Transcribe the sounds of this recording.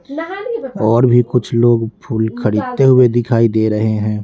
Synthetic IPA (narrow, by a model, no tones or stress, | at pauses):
ɔːɾbʱikʊt͡ʃʰloːɡpʰuːlkʰɐɽiːd̪t̪eɦʊed̪ɪkʰaːid̪eːɾɐɦeɦɛ̃ː